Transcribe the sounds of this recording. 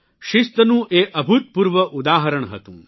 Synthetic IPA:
ʃist̪ɐnũːʔeːʔɐbʱut̪̚puːɾʋɐʔud̪aːɦɐɾɐɳɦɐ̰t̪ṵ̃ː

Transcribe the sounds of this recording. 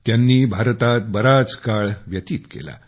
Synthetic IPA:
t̪janːiːbʱaɾt̪at̪̚bəɾat͡skaɭʋjət̪iːt̪kḛla̰

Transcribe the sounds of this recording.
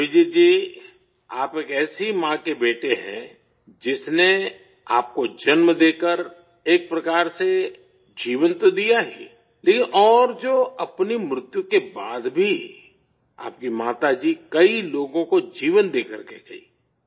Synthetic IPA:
ʋɪd͡ʒiːd͡ʒiː | aːpeːkɛːsimãkebeːʈeɦɛ̰̃ | d͡ʒɪsne | aːp̚kod͡ʒɐnməd̪eːkəɾ | eːk̚pɾɐkaːɾse | d͡ʒiːʋənt̪od̪ijaɦḭ̃ | leːkɪnʔɔːɾd͡ʒoːɐpnimɾʊt̪jukebaːd̪bʱi | a̰ːp̚kimaːt̪ad͡ʒiːkɐiloːɡõkod͡ʒiːʋənd̪eːkəɾkḛɡɐḭː

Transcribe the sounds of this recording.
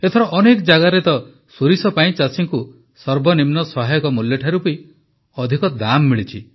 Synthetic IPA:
et̪ʰɔɾɔʔɔnekɔd͡ʒaɡaɾet̪ɔ | suɾisɔpaĩt͡ʃasiŋku | sɔɾbɔnimnɔsɔɦajɔkɔmuljɔʈʰaɾupui | ɔd̪ʱikɔd̪amːiɭit͡ʃʰi

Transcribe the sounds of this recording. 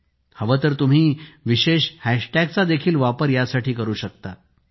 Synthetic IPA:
həʋət̪əɾt̪um̤iːʋiɕeɕhæʂʈæɡ̚t͡sad̪ekʰiːlʋapəɾjasaʈʰiːkəɾuːɕək̚t̪a

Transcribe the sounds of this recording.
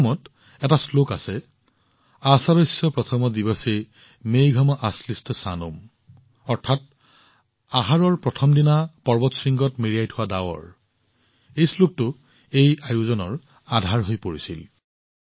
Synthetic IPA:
mɔt | ɛtaslokasɛ | asaɹɔjsɔpɹɔtʰɔmɔdibɔse | mejɡʱɔmɔʔaslistɔsanum | ɔɹtʰat̚ | aɦaɹɔɹpɹɔtʰɔmdinapɔɹbɔtsɹiŋɡɔtmiɹijajtʰʊwadawɔ̰ɹ | ejslok̚tʊ | ejajuzɔnɔɹ | adʱaɹɦojpoɹisil

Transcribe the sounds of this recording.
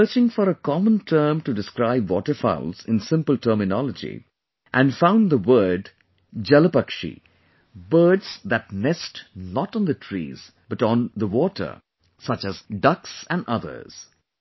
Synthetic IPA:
ə˞t͡ʃɪ̃ŋfɔɾəkɑmə̃ntʰɜ˞mʈudɨskɾaɪbwɔ̰tə˞fa̰ʊlzɪ̃nsɪ̃mpəl̩ˠtʰɜːmɪnɑləd͡ʒḭ | ʔæ̃nfãʊ̃nd̪əwɜːɖ | d͡ʒɛləpʌkʃḭ | bɜːdz̥d̪æt̚nɛstnɔtn̩d̪ətʰɹḭːz | b̥ʌʈn̩ðəwɔʈʰə̰˞ | sʌt͡ʃɨzdʌksæ̃nʔʌðə̰˞z̥

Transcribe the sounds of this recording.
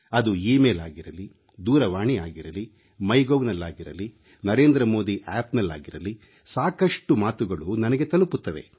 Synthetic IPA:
ɐd̪uiːmeːlaːɡiɾɐli | d̪uːɾɐʋaːɳiaːɡiɾɐli | mɐjɡoʋnɐlːaːɡiɾɐ̰li | nɐɾe̞ːnd̪ɾɐmo̞ːd̪iʔɛːpnɐlːa̰ːɡiɾɐli | saːkɐʂʈumaːt̪uɡɐɭunɐnɐɡet̪ɐluput̪ːɐʋe̞̰

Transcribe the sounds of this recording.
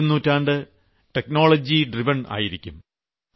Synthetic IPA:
unːuːtːaːɳɖɨ | ʈek̚no̞ːɭɐd͡ʑiɖriʋɐɳa̰ːjiɾikʲːum

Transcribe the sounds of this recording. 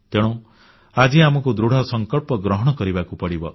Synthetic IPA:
t̪eɽ̃ũ | ad͡ʒiamɔkud̪ɾuɽ̤ʱɔsɔŋkɔɭpɔɡɾɔɦɔɽ̃ɔkɔɾibakupɔɽibɔ

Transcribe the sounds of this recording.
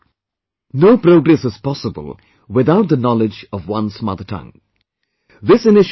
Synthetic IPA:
noːpɾoːɡɾɛsɪz̥pɔsəbə̰lˠ | wɪðaʊt̚d̪ənɔlɪd͡ʒʌvwʌ̃nsmʌ̰ðətʰʌ̰̃ŋ | ðɪsɪnɪʃ

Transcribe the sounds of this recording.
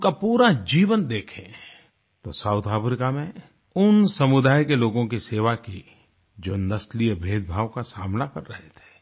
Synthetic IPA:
ʊkapuːɾad͡ʒiːʋənd̪eːkʰẽ | t̪osaːʊt̪ʰaːpɾɪkamẽ | ʊnsɐmʊd̪aːjkeloːɡõkiseːʋaki | d͡ʒoːnɐslijəbʱeːd̪̚bʱaːʋkasaːmnakɐɾːɐɦet̪ʰe̥ː

